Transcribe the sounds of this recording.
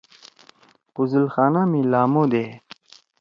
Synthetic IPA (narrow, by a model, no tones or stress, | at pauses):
puzulxaːnamilaːmod̪e